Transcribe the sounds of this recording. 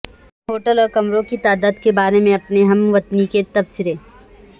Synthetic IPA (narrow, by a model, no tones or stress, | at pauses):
ɦoːʈəlɔːɾkɐmɾõkit̪aːd̪aːd̪kebaːɾemẽɐpneɦɐmʋɐt̪niket̪ɐbsɪɾeː